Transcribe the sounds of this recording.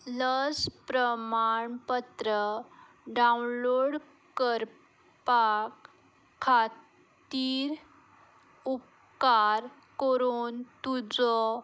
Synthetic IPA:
ləspɾəmaɳpət̪ɾə | ɖaunloɽ | kəɾ | pakʰː | a | t̪iɾ | up | kaɾ | kəɾuːnt̪ud͡zɔ

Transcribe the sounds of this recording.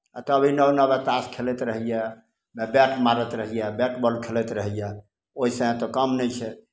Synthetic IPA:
a̰t̪ɔəbʱinəwnəbet̪askʰelet̪ɾəɦijɛ | mebɛʈʰmaɾət̪ɾəɦijɛbɛʈʰbɔlkʰelɛt̪ɾəɦijɛ | oɦisə̃ɦẽt̪ɔkəmnɛt͡ʃʰɛ

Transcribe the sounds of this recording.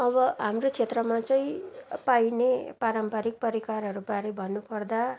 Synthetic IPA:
ʌbʌɦamrot͡sʰet̪rʌmat͡sʌĩpajnepaɾʌmpʌɾik̚pʌɾikarɦʌɾubaɾebʱʌnːupʌrd̪a

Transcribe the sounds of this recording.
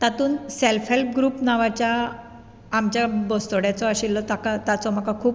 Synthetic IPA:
t̪at̪uːnselfɦelp̚ɡɾuːpnaʋat͡ɕjaː | mt͡ɕjabɔst̪oɽjat͡sɔaɕilːɔt̪akat̪at͡sɔm̤əkakʰuːp

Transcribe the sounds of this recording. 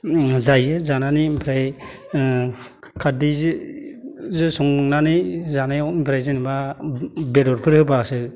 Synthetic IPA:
zajɯzananimpʰɾaj | kʰadiz | zɯsɔŋnanijzanajɔimpʰɾajzɯniba | bedɔɾpʰɯɾhɯbasɯ

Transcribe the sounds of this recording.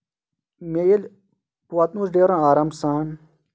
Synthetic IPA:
mejel | puwat̪nuːsɖeːɾãːaːɾɐmsaːn

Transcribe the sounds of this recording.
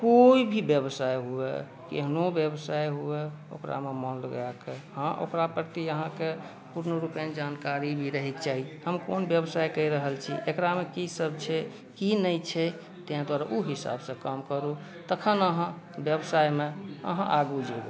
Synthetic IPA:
koibʱibjəbsajɦuḛ | kḛɦnobjəbsajɦue | o̰kɾa̰memɔnləɡakehãʔo̰kɾapəɾt̪iəɦãke | puɾnəɾupjãnd͡ʒankaɾibʱiɾəɦikt͡ʃaɦihəmkonbjəbsajkəiɾəɦəlt͡ʃʰḭʔekɾamekisəb̚ʱt͡ʃʰɛ | kinəjt͡ʃʰɛ | t̪eãd̪waɾaʔuɦisa̰bsə̃kamkəɾu | t̪əkʰənəɦã | bjəbsajmeə̰ɦãʔaɡud͡ʒebe

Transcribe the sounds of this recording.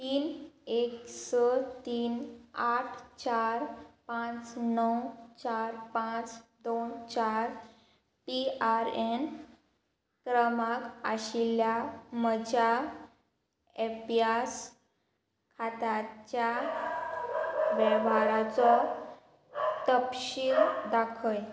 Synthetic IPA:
t̪iːneksət̪iːnaʈʰt͡ɕaɾpãt͡snəwt͡ɕaɾpãt͡sd̪ont͡ɕaɾ | piaɾen | kɾəmakaɕiljaməd͡ʑa | epjas | kʰat̪at͡ɕja | ʋɛʋaɭat͡sɔ | t̪əpɕiːɾd̪akʰəj

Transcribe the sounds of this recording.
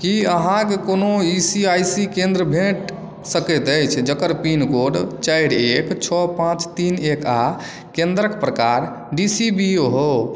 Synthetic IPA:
kiəɦãkekonoisiajsikẽnd̪ɾəbʱeʈ | səkɛt̪əjt͡ʃʰd͡ʒəkəɾpinkoɽt͡ʃajɽekt͡ʃʰɔpãt͡ʃt̪ineka | kẽnd̪ɾəkpɾəkaɾ | ɖisibioɦo

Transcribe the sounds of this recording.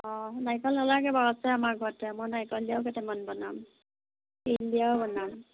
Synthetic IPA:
ɔnajkɔlɔlakɛbaɹɔsɛamaɡʱɔɹtɛmɔjnajkɔldijawkɛtɛmanbɔnam | eldijawbɔnam

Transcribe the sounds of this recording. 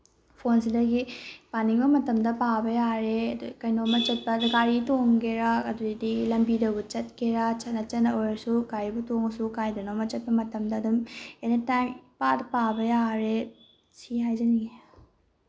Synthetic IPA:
pʰons̬idɐɡipaniŋbɐmɐtɐmdɐpabɐjaɾedkɐjnomɐt͡ʃɐt̚pɐdɡaɾitoŋɡeɾakɐduidilɐmbidɐwbut͡ʃɐt̚keɾat͡ʃɐtnɐt͡ʃɐnːɐojɾɐsuɡaɾibutoŋsukajdɐnomɐt͡ʃɐt̚pɐmɐtɐmdɐːdumenitajmpadɐpabɐjaɾe | siɦajzɐniɡe

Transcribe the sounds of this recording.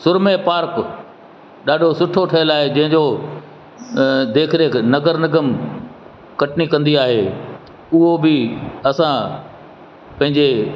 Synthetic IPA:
sʊɾmepaːɾk | ɗaːɖʱosʊʈʰoʈʰɐjəlaːɦed͡ʑɐ̃ɦɪ̃ɲd͡ʑoː | d̪eːkʰɪɾenɐɡəɾnɐɡəm | kɐʈnikɐ̃nd̪iaːɦe | ʊɦobɪɐsã | pɐ̃ɦɪ̃ɲd͡ʑe

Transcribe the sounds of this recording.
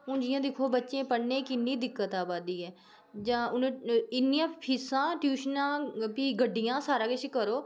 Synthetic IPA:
ʊ̃nd͡ʒɪjãːd̪ɪkʰoːbətːʃẽːpəɽnẽːkɪnːiːd̪ɪkːət̪aːbaːd̪iːɛː | d͡ʒãːʊñːɪnːijãːpʰɪsãːʈjuːʃnãːpiːɡəɖːɪjãːsaːɾãːkɪt͡ʃkəɾoː

